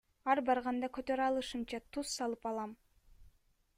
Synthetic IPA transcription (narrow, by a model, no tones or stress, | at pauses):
ɑɾbɑɾʁɑnd̪ɑkøt̪øɾɑlˠɯʃɯmt͡ʃɑt̪ʰusːɑlˠɯpɑlˠɑm